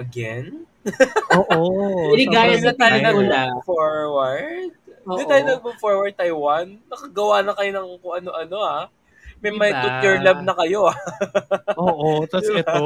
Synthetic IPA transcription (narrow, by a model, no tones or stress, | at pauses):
ʔɐɡɛn | ʔoːʔɪnɪɡaːjɐt̪aːjonɐafoɹwɐɹd̪̚ʊt̪aːjonɐɡ̚mʊfoɹwɐɹd̪̚t̪ɐjwanːɐkɐɡɐwanɐkɐjonɐŋkʊŋʔɐnoʔɐno̞a | mɐjmɐjt̪ut̪ːʊɹlɐb̚nɐkɐjo̞a | oːʔot̪ɐɛt̪